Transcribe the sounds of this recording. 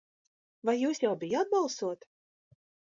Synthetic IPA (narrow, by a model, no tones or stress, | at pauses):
vajːuːsjawbʲɪjat̪̚bɑlˠsuɔt̪